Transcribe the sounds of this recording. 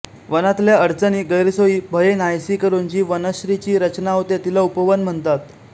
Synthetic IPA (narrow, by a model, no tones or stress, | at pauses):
ʋənat̪ljaəɽt͡səniːɡəɾisoiːbʱəjenajsiːkəɾunt͡ɕiːʋənəɕɾit͡ɕiːɾət͡ɕnaɦot̪et̪ilaupəʋənm̤əɳt̪at̪